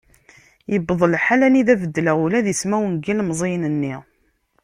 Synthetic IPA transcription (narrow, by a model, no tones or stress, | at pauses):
jəbðˤəlħalæniðævəd̪ːlæulæðismæwənɡilmzˤinənːiʁ